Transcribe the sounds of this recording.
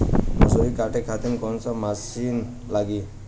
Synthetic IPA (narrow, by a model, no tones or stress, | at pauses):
mɔsoɾikaʈekʰat̪inkɔnsamasin | laɡi